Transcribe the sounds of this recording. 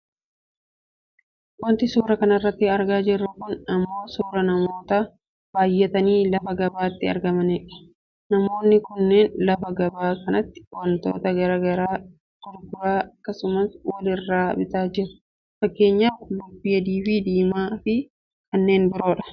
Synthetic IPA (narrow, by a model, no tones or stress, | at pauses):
wɐnt̪ɪsuːɾɐkɐnɐrːɐt̪ːɪɐɾɡaːd͡ʒɪrːʊɡʊnɐmːo̞ːsuːɾɐnɐmo̞ːt̪ɐ | b̥aːjːɛt̪ɐniːlɐfɐɡɐbaːɪt̪ːɪɐ̰ɾɡɐmɐnɛːᶑɐ̥ | nɐmo̞ːnːɪkʊnːeːnlɐfɐɡɐbaːkɐnɐt̪ːɪ̥wɐnt̪o̞̰ːt̪ɐɡɐɾɐɡɐɾaː | t̪ʊɾɡʊɾaːɐkːɐsʊmɐswɐlɪrːaːbɪt̪aːd͡ʒɪɾʊ̥ | fɐkːe̞ːɲːaːflʊbːɪjɐd̪iːfɪd̪iːmaːfɪ | kɐnːe̞ːnbɪɾo̞ːᶑɐ̥